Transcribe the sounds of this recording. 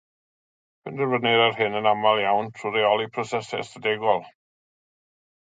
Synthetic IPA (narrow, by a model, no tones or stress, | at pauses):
pʰɪndɛrvənɪɾarhɪnənamalˠjawntʰruɾɛɔlˠipʰɾɔsɛsɛ̰sədɛɡɔlˠ